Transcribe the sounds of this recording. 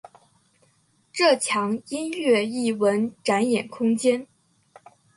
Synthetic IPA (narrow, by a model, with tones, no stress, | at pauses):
ʈ͡ʂɤ˥˩t͡ɕʰjɑ˧˥ŋi˥nɥɛ˥˧i˥˩wə˧˥nʈ͡ʂa˧˥njɛ˨˩nkʰʊ˥ŋt͡ɕjɛ˥n